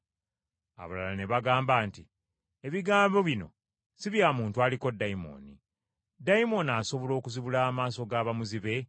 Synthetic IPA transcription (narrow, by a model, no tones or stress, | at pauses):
a̰βalalane̞βaɡaːmbaːnti | eβiɡaːmbo̞βino̞̰ | siβjaːmuːntualiko̞dːaimo̞̰ni | daimo̞naso̞βo̞lo̞ːkuziβulaːmaːso̞ɡaːβamuziβe̞